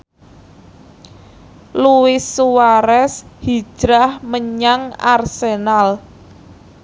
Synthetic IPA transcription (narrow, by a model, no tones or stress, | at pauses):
luwɪsːuwaɾɛshi̥ʒ̥ɾahməɲaŋa̰rsenal